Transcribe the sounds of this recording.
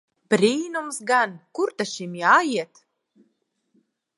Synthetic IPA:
b̥ɾiːnumsɡankuɾt̪aʃimjaːjiɛt̪

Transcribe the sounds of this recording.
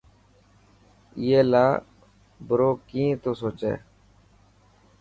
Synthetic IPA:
jeːlaː | bəɾoːkĩːt̪oːsoːt͡ʃḛː

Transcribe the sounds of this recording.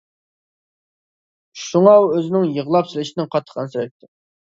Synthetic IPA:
ʃuŋɑwøzɪnɪŋjəʁlˠɑpsɪlɪʃɪnɪŋqʰɑt̪ʰːə̥qʰɑnsɨɾɛj̚t̪ʰːɪ

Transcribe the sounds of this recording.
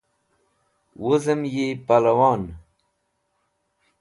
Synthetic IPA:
wozɐmjepalɐwaːn

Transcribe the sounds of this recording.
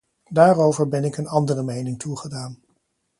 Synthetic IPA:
daːrowvəɹbɛnɪkənɑndərəmejnɪŋtʰuχədaːn

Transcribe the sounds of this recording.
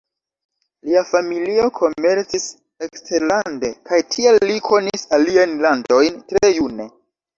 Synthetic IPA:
liafamilio̞kʰo̞me̞ɾt͡sis | ekstʰe̞ɾlande̞kajtʰielːikʰo̞nisaliajnlando̞jntɾe̞june̞

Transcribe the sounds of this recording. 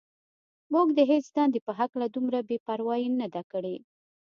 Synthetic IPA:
muɡd̪əɦet͡sd̪ɑnd̪epəɦaklad̪umɾabepaɾwɑjinad̪akəɽe

